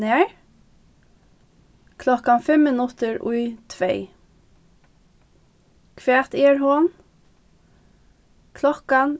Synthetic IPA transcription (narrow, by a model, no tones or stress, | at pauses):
eɹ | kʰlɔkɑnfɛmənʉt̪əɹʔʊ̰ʏt̪ʰʋeɪ | kʰʋeːt̪eːɹhoːn | kʰlɔkɑn